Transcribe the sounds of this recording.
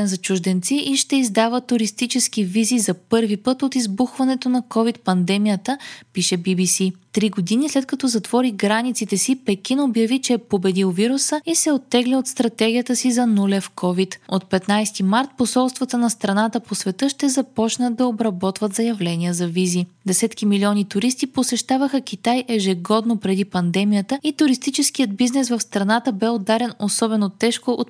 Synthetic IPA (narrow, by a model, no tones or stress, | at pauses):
ɛnzɐt͡ʃʊʒd̪ɛnt̪siʔiʃt̪ɛizd̪avət̪ːʊɾist̪it͡ʃɛsk̟ivizizɐpɤɾvipɤt̪ot̪izbuxvɐnɛt̪onɐkɔvit̪̚pɐnd̪ɛmijət̪əpiʃɛbibisit̪ɾiɡod̪inislɛt̪̚kɐt̪ɔzɐt̪vɔɾiɡɾanit̪sit̪ɛsipɛk̟inobjɐvit͡ʃɛɛpobɛd̪ilˠviɾusəisɛot̪ːɛɡliot̪st̪ɾɐt̪ɛɡʲijət̪əsizɐnulɛfkʰɔvit̪ot̪̚pɛt̪najst̪imaɾt̪̚posɔlˠst̪vɐt̪ənɐst̪ɾɐnat̪əposvɛt̪ɤʃt̪ɛzɐpɔt͡ʃnəd̪ːɐobɾɐbɔt̪vət̪zɐjɐvlɛniəzɐvizid̪ɛsɛt̪kimiliɔnit̪ʊɾist̪iposɛʃt̪avəxək̟ʲit̪ajʔɛʒɛɡɔd̪nopɾɛd̪ipɐnd̪ɛmijət̪əit̪ʊɾist̪it͡ʃɛskijəd̪̚biznɛsvɐfst̪ɾɐnat̪əbɛod̪aɾɛnosɔbɛnot̪ɛʃkoʔot̪